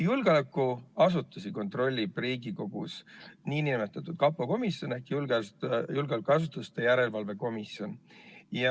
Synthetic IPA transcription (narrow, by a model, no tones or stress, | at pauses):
julɡ̥eolɑkːˑuɑsut̪ːˑusiko̞nt̪ˑro̞lʲːib̥riːɡiko̞ɡ̥ṵsniːnimet̪ːˑɑt̪ːˑud̪̥kɑpːoko̞misjo̞ne̞hkːjulɡ̥eɑsjulɡelekːuɑsut̪ːˑust̪e̞jæɾe̞lvɑlve̞ko̞misjo̞njɑ